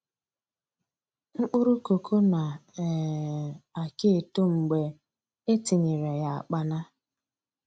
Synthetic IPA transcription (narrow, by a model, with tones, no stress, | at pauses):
ŋ͡m̩˦k͡pʊ˦ɾu˦ko˨kʰo˦na˨ | a˨ke˦e˨to˦ŋ͡m̩˨ɡ͡be˨ | e˦tɪ˨ɲe˨ɾe˨ja˨a̰˨k͡pa˦na˦